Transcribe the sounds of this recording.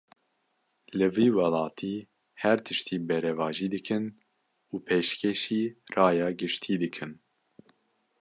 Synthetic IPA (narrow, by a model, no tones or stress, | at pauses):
lɨviːwɛlɑːt̪ʰiː | hɛɾt̪ʰɨʃt̪ʰiːbɛɾɛvɑːʒiːd̪ɨkʰɨn | uːpʰeʃkʰeʃiːrɑːjɑːɡɨʃt̪ʰiːd̪ɨkʰɨn